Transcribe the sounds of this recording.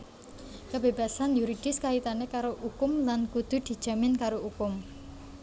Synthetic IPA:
kabeb̥a̤sanjuɾid̥ɪ̤skait̪anekaɾoʔukʊmlankud̪̥ṳd̪̥i̤̥ʒ̥a̤mɪnkaɾoukʊm

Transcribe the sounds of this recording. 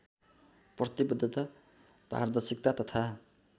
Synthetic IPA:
prʌt̪ibʌd̪ʱːʌt̪ʌ | pa̰rd̪ʌrsik̚t̪at̪ʌt̪ʰa

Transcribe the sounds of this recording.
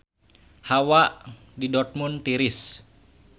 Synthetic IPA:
hawaʔ | didɔrt̪̚munt̪iɾɪs

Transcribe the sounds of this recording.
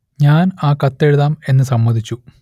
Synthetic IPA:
ɲaːnaːkɐt̪ːe̞ɻuðaːme̞nːɨsɐmːɐd̪ʱit͡ɕːu

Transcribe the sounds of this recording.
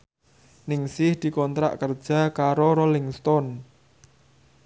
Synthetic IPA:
nɪŋsɪhd̪̥i̤kɔnt̪ɾa̰ʔkərd̥ʒ̥a̤kaɾoɾolɪŋst̪ɔn

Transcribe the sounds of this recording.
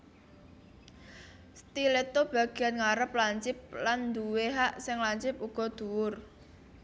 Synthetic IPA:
st̪ilet̪ob̥ä̤ɡ̥i̤anŋaɾəp̚laɲt͡ʃɪp̚land̪uweɦaʔsɪŋlaɲt͡ʃɪpuɡ̥ɔ̤d̪̥ṳwʊr

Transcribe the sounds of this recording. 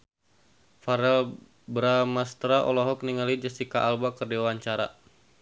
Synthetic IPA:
faɾɛl | bɾamast̪ɾaʔɔ̰lɔɦɔk̚niŋalid͡ʒastikaʔːlbakərdiwaɲt͡ʃaɾa̰

